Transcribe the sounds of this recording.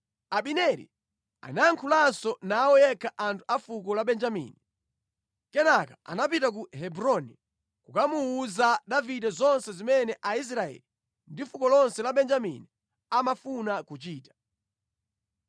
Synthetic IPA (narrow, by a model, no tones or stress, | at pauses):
aɓinɛɾḭ | a̰naŋkʰulansɔnaːwɔjɛkʰaʔantʰu̥afukɔlaɓɛnd͡ʒamḭni | kɛnakaa̰napitak̬uɦɛbɾɔni | kukamuuzaɗavidɛzɔnsɛzimɛnɛʔais̬ɾaɛ̰li | ndifukɔlɔnsɛlaɓɛnd͡ʒamḭni | amafunakut͡ʃiːtḁ